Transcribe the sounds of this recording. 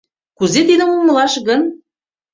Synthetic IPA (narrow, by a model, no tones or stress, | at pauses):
kuzet̪id̪ə̆muməlɑʃɣɤn